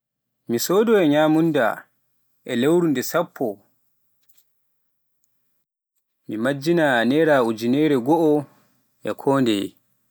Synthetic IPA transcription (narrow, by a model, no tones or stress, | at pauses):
misɔːdɔɛɲaːmunda̰ | ʔɛlewɾundɛsapʰːɔ | mimad͡ʒːinanɛɾaud͡ʒinɛɾɛɡɔʔɔ | ʔɛ̰kʰɔːndɛ̰